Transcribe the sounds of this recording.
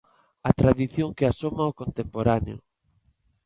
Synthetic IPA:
at̪ɾaðiθjoŋkeasomaokont̪empoɾaneo̰

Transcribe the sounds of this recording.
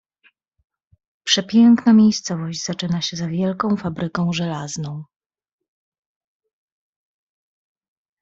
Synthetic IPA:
pʂɛpʲjɛŋknamʲejst̪sɔvɔʑd͡ʑzat͡ʂɘnaɕɛzavʲjɛlkɔ̃w̃fabɾɘkɔ̃w̃ʐɛlaznɔ̃w̃

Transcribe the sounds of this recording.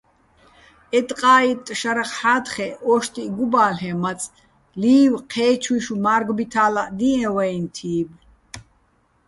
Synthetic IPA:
ɛt̪ʼqʼaːit̪ʼːʃaɾaχħaːd̪χɛɔʃt̪ʼiɡubaːlɦɛmat͡sʼ | liːwqʰɛːt͡ʃʰwiʃumaːɾɡbit̪ʰaːlaʔd̪iɛ̃wɛjnt̪ʰiːb

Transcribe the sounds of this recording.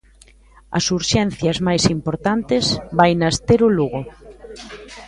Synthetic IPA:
ɐ̰suɾʃɛn̟θjɐzmajsimpoɾt̪ant̪ɪzbajnɐst̪eɾʊluɣʊ

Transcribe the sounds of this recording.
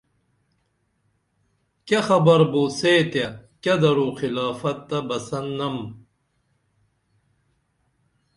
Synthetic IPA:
kɐxɐbɐɾboːseːt̪jɐkɐd̪ɐɾuːxilaːfɐt̪ːɐbɐsɐnːɐm

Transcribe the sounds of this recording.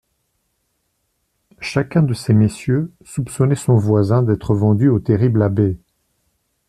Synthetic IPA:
ʃakʲɛ̃d̪əsemesjø | supsɔnɛsɔ̃vwazɛ̃d̪ɛt̪χəvɑ̃d̪yot̪eʁiblabe

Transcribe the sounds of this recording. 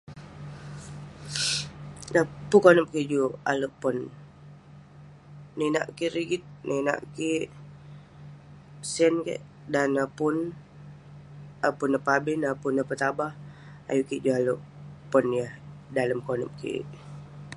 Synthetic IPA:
napukonəp̚kiʔd͡ʒua̰loʔpɔn | ina̰ʔkiʔɾiɡit̪̚nʔina̰ʔki | sɛnkḛʔ | danəpʊn | apʊnːəpabɪnapʊnəpət̪abah | a̰jukiʔd͡ʒualuʔpɔnjəhdaləmkonə̰m̚kḭ

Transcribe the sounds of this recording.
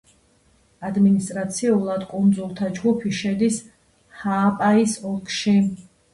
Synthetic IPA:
ad̪minist̪ʼɾat̪sʰiulˠad̪kʼund̪zulˠt̪ʰad͡ʒɡupʰiʃɛd̪is | haːpʼaisɔlˠkʰʃi

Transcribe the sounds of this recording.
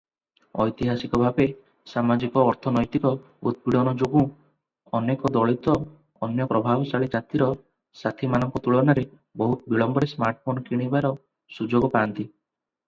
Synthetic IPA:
ɔ̰jt̪iɦasikɔbʱabe | samad͡ʒikɔːɾt̪ʰɔnɔjt̪ikɔ | ṵd̪̚biɽ̤ɔnɔd͡ʒoɡũ | ɔnekɔd̪ɔɭit̪ɔː | njɔpɾɔbʱabɔt͡ʃaɭid͡ʒat̪iɾɔ | sat̪ʰimanɔŋkɔt̪uɭɔnaɾe | bɔɦut̪ɔbiɭɔmbɔɽesmaɾʈfʰonɔkiɽ̃ibaɾɔ | sud͡ʒoɡɔpaːnt̪i

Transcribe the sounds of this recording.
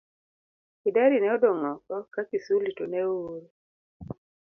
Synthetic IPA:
idaɾinɛɔdɔŋɔkɔkakisulitonɛoɾ

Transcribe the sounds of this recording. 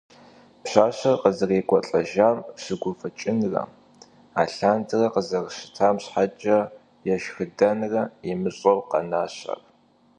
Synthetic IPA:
pɕaːɕɐrqəzɨreːkʷʼɔɬʼɐʒaːmɕɨɡʷʊfɐt͡ʃʼɪnrɐ̰ | aːɬaːndʰɨrɐqəzɐrɕɪ̥tʰaːmɕħat͡ʃʼɐ | jɛʃxɨdɐnrɐimɨɕʼɐwqɐ̰naːɕa̰r

